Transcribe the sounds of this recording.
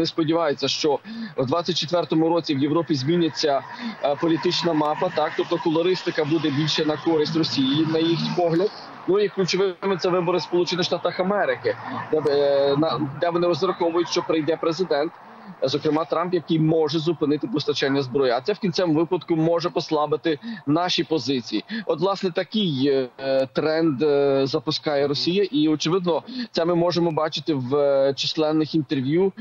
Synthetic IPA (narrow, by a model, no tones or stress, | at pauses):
nespɔdʲiʋɑjet͡sʲːɐʃt͡ʃɔwd̪ʋɑt͡sʲːɐt̚ʲt͡ʃːet̪ʋɛrt̪ɔmʊɾɔt͡sʲiwjeʋɾɔpʲizmʲinʲːɐt͡sʲːɐ | pɔlʲit̪ɪt͡ʃnɐmɑpɐt̪ɑk̚t̪ɔp̚t̪ɔkʊlˠɐɾɪst̪ɪkɐbud̪ɛbʲilʲʃɛnɐkɔɾɪsʲtʲrɔsʲijijinɐjixnʲpɔɦlʲɐd̪̚ | nʊiklʲʊt͡ʃɔʋɪmɪt̪sɛʋɪbɔɾɪspɔlˠut͡ʃɪnɪxʃt̪ɑt̪ɐxɐmɛɾɪkɪd̪ɛnɐd̪ɛʋɔnɪɾɔzɾɐxɔʋʊjʊtʲʃt͡ʃɔpɾɪjd̪ɛpɾezɪd̪ɛnt̪ | zɔkɾɪmɑt̪ɾɑmpjɐkɪjmɔʒɛzʊpɪnɪt̪ɪpɔst̪ɐt͡ʃɛnʲːɐzbɾɔjiɐt̪sɛwkʲinʲt͡s̪ʲɛmʋɪpɐd̪kʊmɔʒɛpɔslˠɑbɪt̪ɪnɑʃipɔzɪt͡sʲijiɔt̪ʋlˠɑsnɛt̪ɐkɪj | t̪ɾɛnd̪zɐpʊskɑjɛɾɔsʲijɐʔiɔt͡ʃɪʋɪd̪nɔt̪sɛmɪmɔʒemɔbɑt͡ʃɪt̪ɪwt͡ʃislˠɛnːɪxint̪erʋʲju